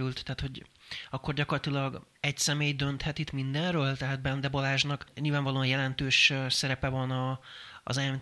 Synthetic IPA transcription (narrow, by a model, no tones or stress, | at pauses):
ɾylt̪ːɛaːt̪ho̞ɟɒkːo̞rɟɒkorlɒt̪ilɒɡ | ɛcsɛmeːjd̪ø̞nt̪hɛt̪it̪mind̪ɛnrøːlt̪ɛɦaːd̪̚bɛnd̪ɛbolaːʒnɒkɲilvaːɱvɒloːɒnjɛlɛnt̪øːʃsɛɾɛpɛvɒnɒ̰ːzɛm